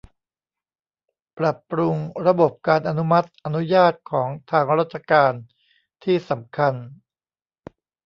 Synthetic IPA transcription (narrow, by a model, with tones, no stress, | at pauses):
pɾa˨˩pɾu˧ŋɾa˧bo˨˩p̚kaː˧nʔa˧nu˦˥ma˦˥t̪̚ʔa˧nu˦˥jaː˥˩t̪̚kʰɔː˩˦ŋt̪ʰaː˧ŋɾaː˥˩t̪̚t͡ɕʰa˧kaː˧n | t̪ʰiː˥˩sa˩˦mkʰa˧n